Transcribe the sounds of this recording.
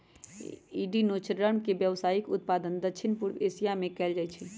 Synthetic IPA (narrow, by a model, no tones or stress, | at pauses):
iɖinot͡ʃɾəmkebjəʋsaːikʊt̪̚pad̪ənd̪əkʃʰinpuɾesijamẽkɛːld͡ʒajt͡ʃʰɛ